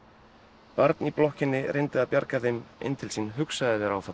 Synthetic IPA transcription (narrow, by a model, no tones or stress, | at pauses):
paɾt̪niplɔhcɪnːɪrɪjnt̪ɪaðpjaɾkaθejmḛjnt̪ʰɪlsinɦʏksaðɪvɛɾa̰wθa